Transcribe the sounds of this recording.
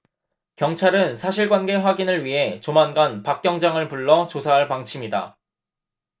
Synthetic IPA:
kjʌŋt͡ɕʰaɾɯnsʰaɕʰiɭɡwanɡe̞ɸwaɡinɯɭɥiɦe̞t͡ɕomanɡanpak̚k͈jʌŋd͡ʑaŋɯɭpuɭːʌt͡ɕosʰaɦaɭpaŋt͡ɕʰimida̰

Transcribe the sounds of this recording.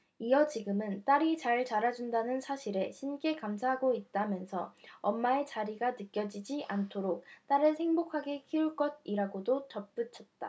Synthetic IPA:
ijʌt͡ɕiɡɯmɯnt͈aɾit͡ɕaɭt͡ɕaɾad͡ʑundanɯnsʰaɕʰiɾe̞ɕʰink͈e̞kamsʰaɦaɡoit̚t͈amjʌnsʰʌ̰ʌmːae̞t͡ɕaɾiɡanɯk͈jʌd͡ʑid͡ʑiʔantʰoɾok̚t͈aɾɯɭhe̞ŋbokʰaɡe̞kʰiuɭk͈ʌd̚iɾaɡodot͡ɕʌp̚p͈ɯt͡ɕʰʌt̚t͈a̰

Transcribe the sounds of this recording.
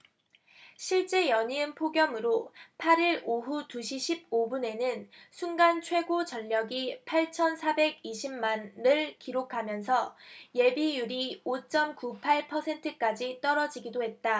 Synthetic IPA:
ɕʰiɭt͡ɕ͈e̞jʌɲiɯnpʰoɡjʌmɯɾopʰaɾiɾoɦutuɕʰiɕʰib̚obune̞nɯnsʰuŋɡant͡ɕʰwe̞ɡot͡ɕʌʎːʌɡipʰaɭt͡ɕʰʌnsʰabe̞ɡiɕʰimmanːɯɭkiɾokʰamjʌnsʰʌje̞bijuɾiot͡ɕ͈ʌmkupʰaɭpʰʌsʰe̞ntʰɯk͈ad͡ʑit͈ʌɾʌd͡ʑiɡidoɦe̞t̚t͈a

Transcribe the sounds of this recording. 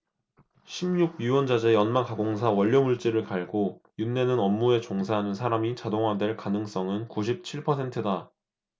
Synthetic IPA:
ɕʰimɲuɡ̚ɥiwʌnd͡ʑad͡ʑe̞jʌnmaŋkaɡoŋsʰawʌʎːʌmuɭt͡ɕ͈iɾɯɭkaɭɡojunːe̞nɯnʌmːue̞t͡ɕoŋsʰaɦanɯnsʰaɾamit͡ɕadoŋɦwadwe̞ɭkanɯŋs͈ʌŋɯnkuɕʰip̚t͡ɕʰiɭpʰʌsʰe̞ntʰɯda

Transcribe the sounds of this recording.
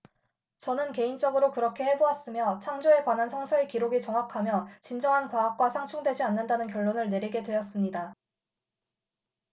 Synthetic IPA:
t͡ɕʌnɯnke̞int͡ɕ͈ʌɡɯɾokɯɾʌkʰe̞he̞boas͈ɯmjʌt͡ɕʰaŋd͡ʑoe̞kwanɦansʰʌŋsʰʌekiɾoɡit͡ɕʌŋɦakʰamjʌt͡ɕind͡ʑʌŋɦankwaːk̚k͈wasʰaŋt͡ɕʰuŋdwe̞d͡ʑianːandanɯnk̬jʌɭːonɯɭne̞ɾiɡe̞dwe̞ʌs͈ɯmɲida

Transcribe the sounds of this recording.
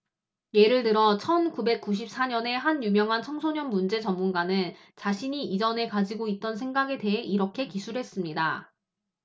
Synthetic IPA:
je̞ɾɯɭtɯɾʌt͡ɕʰʌnkube̞k̚k͈uɕ̬ʰip̚s͈aɲʌne̞ɦanjumjʌŋɦant͡ɕʰʌŋsʰoɲʌnmund͡ʑe̞t͡ɕʌmːunɡanɯn | t͡ɕaɕʰiɲiid͡ʑʌne̞kad͡ʑiɡoit̚t͈ʌnsʰeŋɡaɡe̞de̞ɦeʔiɾʌkʰe̞kisʰuɾɦe̞s͈ɯmɲida

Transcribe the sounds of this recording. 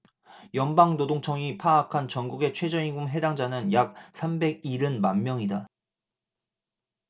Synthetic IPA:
jʌnbaŋnodoŋt͡ɕʰʌŋipʰaːkʰant͡ɕʌŋɡuɡe̞t͡ɕʰwed͡ʑʌɲiɡumɦe̞daŋd͡ʑanɯnjak̚s͈ʰambe̞ɡiɾɯnmammːjʌŋida

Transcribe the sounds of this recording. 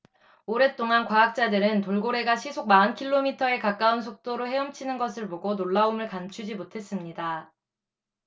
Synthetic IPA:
oɾe̞t͈oŋankwaak̚t͡ɕ͈adɯɾɯntoɭɡoɾe̞ɡaɕʰisʰoɡ̚maɯnkʰiɭːomitʰʌe̞kak͈auns̬ʰok̚t͈oɾohe̞ʌmt͡ɕʰinɯnɡʌsʰɯɭboɡonoɭːaumɯɭkant͡ɕʰud͡ʑimotʰe̞s͈ɯmɲida

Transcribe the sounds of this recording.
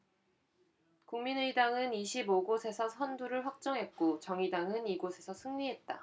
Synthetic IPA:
kuŋminɯidaŋɯniɕʰiboɡosʰe̞sʰʌsʰʌnduɾɯɭɸwak̚t͡ɕ͈ʌŋɦe̞t̚k͈ot͡ɕʌŋidaŋɯniɡosʰe̞sʰʌsʰɯŋɥiɦe̞t̚t͈a

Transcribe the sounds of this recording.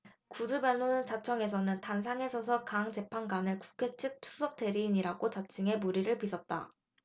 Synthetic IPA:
kudubjʌnont͡ɕat͡ɕʰʌŋe̞s̬ʰʌnɯntans̬ʰaŋe̞sʰʌs̬ʰʌkaŋt͡ɕe̞pʰanɡanɯɭku̥kʰe̞t͡ɕʰɯk̚tʰu̥sʰʌk̚t͈e̞ɾiːɲiɾaɡot͡ɕat͡ɕ͈iŋe̞muɾiɾɯɭpisʰʌt̚t͈a̰

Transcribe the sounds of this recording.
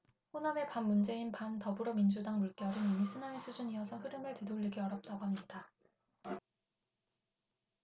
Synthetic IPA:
ɸoname̞pamːund͡ʑe̞inpantʌbɯɾoʌmind͡ʑudaŋmuɭk͈jʌɾɯnimisʰɯnaesʰud͡ʑuɲiʌsʰʌɸɯɾɯmɯɭte̞doʎːiɡiʌɾjʌp̚t͈aɡoɦhamɲida

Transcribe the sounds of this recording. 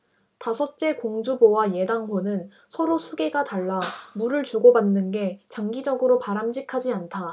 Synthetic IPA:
tasʰʌt̚t͡ɕ͈e̞koŋd͡ʑubowaje̞daŋɦonɯn | sʰʌɾosʰuɡe̞ɡataɭːamuɾɯɭt͡ɕuɡobanːɯnɡe̞t͡ɕaŋɡid͡ʑʌɡɯɾopaɾamd͡ʑikʰad͡ʑiantʰa

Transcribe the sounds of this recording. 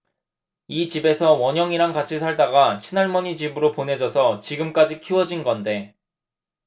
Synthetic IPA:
it͡ɕibe̞sʰʌwʌɲjʌŋiɾaŋɡat͡ɕʰisʰaɭdaɡat͡ɕʰinaɭmʌɲit͡ɕibɯɾopone̞d͡ʑʌsʰʌt͡ɕiɡɯmk͈ad͡ʑikʰiwʌd͡ʑinɡʌnde̞

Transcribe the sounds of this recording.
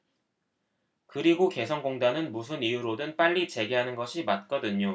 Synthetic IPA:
kɯɾiɡoke̞sʰʌnɡoŋdanɯnmus̬ʰɯnijuɾodɯnp͈aʎːit͡ɕe̞ɡeɦanɯnɡʌɕʰimat̚k͈ʌdɯɲo

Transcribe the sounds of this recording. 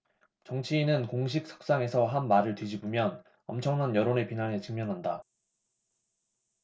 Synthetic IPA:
t͡ɕʌŋt͡ɕʰiːnɯnkoŋɕ̬ʰik̚sʰʌ̥k̚s͈aŋe̞sʰʌɦanmaɾɯɭtid͡ʑibomjʌn | ʌmt͡ɕʰʌŋnanjʌɾone̞pinane̞t͡ɕɯŋmjʌnɦanda

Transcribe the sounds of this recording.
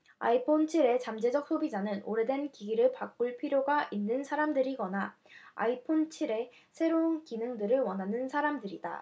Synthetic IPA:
a̰ipʰont͡ɕʰiɾe̞t͡ɕamd͡ʑe̞d͡ʑʌk̚s͈ʰobid͡ʑanɯnoɾe̞dwe̞nkiɡiɾɯɭpak͈uɭpʰiɾjoɡaʔinːɯnsʰaɾamdɯɾiɡʌna | a̰ipʰont͡ɕʰiɾe̞ | sʰe̞ɾounkinɯŋdɯɾɯɭwʌnɦanɯnsʰaɾamdɯɾida̰

